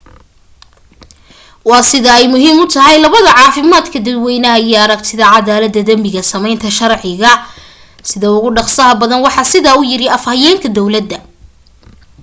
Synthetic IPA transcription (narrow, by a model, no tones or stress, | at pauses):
wɑːsɪðɐɛjmʊɦiːmʊt̪ʰɐɦɛjlɐβɐðɐʕɑːfɪmaːd̪kʰɐd̪ɐd̪wɛjnɐɦɐijɐɾɐɡ̚t̪ʰɪðɐʕɑðaːlɐd̪ːɐd̪ɐmbɪɣɐsɐmɛjnt̪ʰɐʃɐrʕɪɣɐ | sɪðɐʊɣʊɖɑχsɐɦɐbɐðɐnwɑħɑːsɪðaːʊjɪɾɪɐfhɐjɛːŋkʰɐd̪ɔwlɐd̪ːɐ